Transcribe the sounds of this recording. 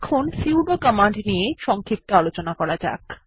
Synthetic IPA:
kʰonsiwɖokamaɳɖnijeʃɔŋkʰik̚t̪oalot͡ɕonakɔɾad͡ʑa̰k

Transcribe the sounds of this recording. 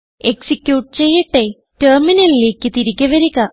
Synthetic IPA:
eksikjuːʈːɨt͡ɕe̞jːiʈːe | terminɐlile̞ːkʲːɨt̪iɾikʲːɐʋɐɾiɣɐ

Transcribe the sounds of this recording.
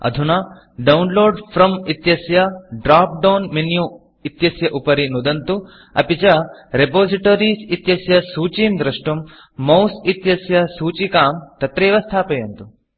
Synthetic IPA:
ɐ̰d̪ʱunɐ | ɖɐwnloːɖpʰɾɐmit̪jɐsjɐɖɾaːp̚ɖɐːnminju | it̪jɐsjɐʔupɐɾinud̪ɐnt̪u | ɐ̰pit͡ʃɐɾepoːsiʈoːɾiːsit̪jɐsjɐsuːt͡ʃiːmd̪ɾɐʂʈɐmː | ɐwsit̪jɐsjɐsuːt͡ʃikaːmt̪ɐt̪ɾeːʋɐst̪ʰaːpɐjɐnt̪u

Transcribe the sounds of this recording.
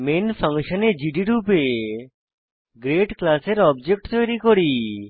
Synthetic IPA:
menfʰəŋʃoned͡ʑiɖiɾupe | ɡɾeʈklaseɾɔbd͡ʑek̚ʈt̪ojɾikoɽi

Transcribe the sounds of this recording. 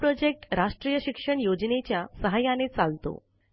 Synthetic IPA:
pɾɔd͡ʑek̚ʈɾaʂʈɾijəɕikʂəɳjod͡ʑnet͡ɕjasəɦajanet͡salt̪o̰

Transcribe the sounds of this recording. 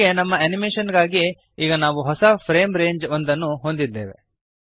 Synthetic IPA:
enɐmːɐɐnimeːʃɐnɡaːɡi | iːɡɐnaːʋuɦɔsɐpʰɾe̞ːmɾe̞ːɲd͡ʒond̪ɐnːuɦond̪id̪ːḛːʋḛ

